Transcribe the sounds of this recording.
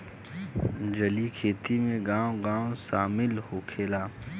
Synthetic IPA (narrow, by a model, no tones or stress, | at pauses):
d͡ʒɐlikʰeːt̪imẽɡãːwõɡãːwõsaːmɪlhokʰeːlaː